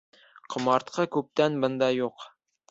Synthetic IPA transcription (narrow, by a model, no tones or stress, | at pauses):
qʰŏmɑɾt̪qʰɤkʉp̚t̪ænbɤnd̪ɑjuq